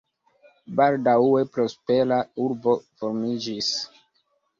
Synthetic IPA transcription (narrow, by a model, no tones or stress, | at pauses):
baldae̞pɾo̞spelauɾbo̞fo̞ɾmid͡ʒis